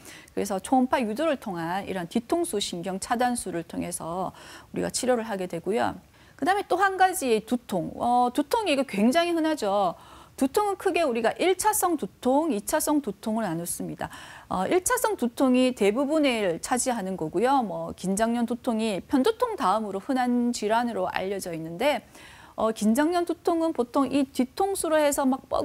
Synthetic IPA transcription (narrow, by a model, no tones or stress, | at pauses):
kɯɾe̞sʰʌt͡ɕʰoːmpʰajudoɾɯɭtʰoŋɦanḭɾɦantitʰoŋsʰuɕʰinɡjʌŋt͡ɕʰadansʰuɾɯɭtʰoŋɦe̞sʰʌuɾḭɡa̰t͡ɕʰiɾjʌɾɯɭɦaɡe̞dwe̞ɡujo̰ | kɯdaɦɯme̞t͈ohanɡad͡ʑietutʰoŋʌtutʰoŋiɡakwe̞ŋd͡ʑaŋɦihɯnɦad͡ʑotutʰoŋɯnkʰɯɡe̞uɾiɡaʔiɭt͡ɕʰasʰʌŋtutʰoŋit͡ɕʰasʰʌŋtutʰoŋɯɭnanos͈ɯmɲida̰ʌʔiɭt͡ɕʰasʰʌŋtutʰoŋite̞bubuneɾɯɭt͡ɕʰad͡ʑiɦanɯnɡʌɡujomwʌkind͡ʑaŋɲʌntutʰoŋipʰjʌndutʰoŋtaɯmɯɾohɯnand͡ʑiɾanɯɾoʔa̰ʎːʌd͡ʑʌinːɯnde̞ | ʌkind͡ʑaŋɲʌntutʰoŋɯnpotʰoŋʔititʰoŋsʰuɾohe̞sʰʌmak̚p͈ʌ̰